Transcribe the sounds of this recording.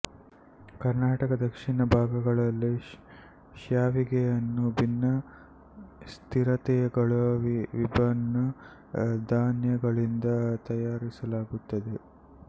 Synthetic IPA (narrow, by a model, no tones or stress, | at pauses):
kɐɾnaːʈɐkɐd̪ɐkʂiɳɐbʱaːɡɐɡɐɭɐlːi | ʃjaːʋiɡejɐnːubʱinːɐ | st̪ʰiɾɐt̪ɛjɐɡɐɭɐʋibʱɐnːɐ | d̪ʱaːnjɐɡɐɭind̪ɐt̪ɐjaːɾisɐlaːɡut̪ːɐd̪e̞